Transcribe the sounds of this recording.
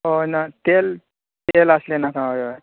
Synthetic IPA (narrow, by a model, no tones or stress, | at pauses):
onat̪el | t̪eləslenakãja